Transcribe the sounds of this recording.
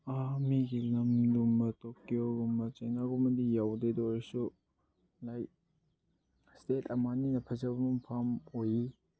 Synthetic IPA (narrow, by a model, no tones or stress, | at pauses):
amiɡilɐmdumbɐtokːijoɡumbɐt͡ʃajnaɡumɐdijawdedɔɾsu | laj | stetʰɐmaninɐpʰɐzɐbunumpʰamoji